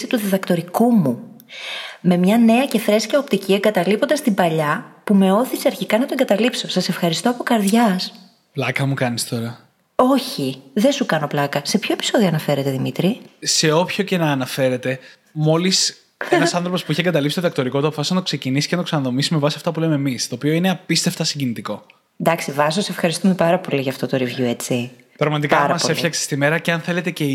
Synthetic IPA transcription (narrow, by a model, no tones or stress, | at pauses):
it̪uðeðɐkt̪o̞ɾikumu | me̞mɲɐne̞ɐce̞θɾe̞scɐopt̪icieŋɡɐt̪ɐlipo̞nd̪ɐst̪imbɐʎɐpume̞o̞θiseɐɾçikɐnɐt̪o̞eŋɡɐt̪ɐlipso̞sɐse̞fxɐɾist̪o̞ɐpo̞kɐɾðʝɐs | plɐkɐmukɐnist̪o̞ɾɐ | o̞çiðe̞sukɐno̞plɐkɐse̞pço̞e̞pi̥so̞ðio̞ɐnɐfe̞ɾe̞t̪e̞ðimit̪ɾise̞o̞pço̞ce̞nɐːnɐfe̞ɾe̞t̪e̞ | mo̞lis | nɐsɐnθɾopo̞spuiçeŋɡɐt̪ɐlipsi̥t̪oðɐkt̪o̞ɾikot̪oɐpofɐsisnɐt̪okse̞cinisi̥cenɐt̪oksɐnɐðo̞misime̞vɐsiɐft̪ɐpulememist̪o̞ːpio̞ineɐpist̪eft̪ɐsiɲɟinit̪iko̞ | nd̪ɐksivɐsose̞fxɐɾist̪ume̞pɐɾɐpo̞liʝɐft̪o̞t̪oɾivʝue̞t͡si | pɾɐɣmɐt̪ikɐɾɐmɐsoefiçɐkse̥st̪ime̞ɾɐceɐnθe̞le̞t̪e̞ce̞